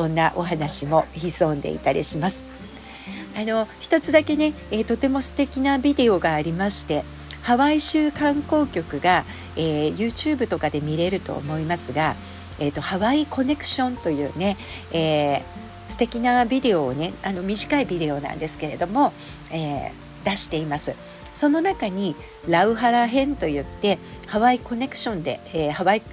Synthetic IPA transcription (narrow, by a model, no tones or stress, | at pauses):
sõ̞nːaʔo̞ɦanaɕimo̞çizõ̞nd̪e̞̰ḭt̪aɾʲʔḭɕimasɨ̥ | ano̞çi̥t̪o̞t͡sɨd̪ake̞ne̞ | et̪o̞t̪e̞mo̞sɨ̥t̪e̞kʲinabʲid̪e̞o̞ɡaːɾʲimaɕi̥t̪e̞ | haβaiɕɨːkãŋko̞ːkʲo̞kɯ̟ɡa | eːjɯ̟ːt͡ɕɨːbɯ̟t̪o̞kad̪e̞mʲiɾe̞ɾɯ̟t̪o̞̰ːmo̞imasɨɡa | et̪ːo̞haβaiko̞ne̞kɯ̟̥ɕõ̞nt̪o̞jɯ̟ːne̞ | eː | sɨ̥t̪e̞kʲinabʲid̪e̞o̞ːne̞ano̞mʲiʑikaibʲid̪e̞o̞nã̰nd̪e̞sɨ̥ke̞ɾe̞d̪o̞mo̞ | eː | d̪aɕi̥t̪e̞imasɨ | so̞no̞nakaɲ̟i | ɾaɯ̟ɦaɾaɦẽ̞nt̪o̞jɯ̟t̪ːe̞ | haβaiko̞ne̞kɯ̟̥ɕõ̞nd̪e̞̰ːhaβai